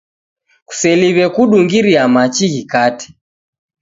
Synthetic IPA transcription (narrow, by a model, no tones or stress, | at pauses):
ku̥sɛliβɛkuɗuŋɡiɾiamat͡ʃiɣikatɛ̥